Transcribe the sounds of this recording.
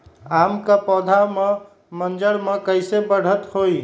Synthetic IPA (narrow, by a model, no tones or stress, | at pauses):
amkapɔd̪ʱame | mənd͡ʒəɾmekəɪsebəɽ̤ət̪hoj